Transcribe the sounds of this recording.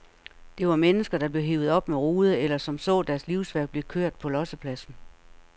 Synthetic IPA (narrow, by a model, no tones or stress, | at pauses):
d̥e̝ʋɑ̈menəsɡ̥ɐd̥ɑ̈b̥le̝ʊɦe̝ʊð̞̩ˠɒ̽b̥meʁoːð̞ˠəelɐsɒ̽msɔ̰̽ːd̥æɐsliʊsʋæɐ̰ɡ̥̚b̥le̝kʰøɐ̰d̥̚pʰɒ̽lɒ̽səpʰlæsn̩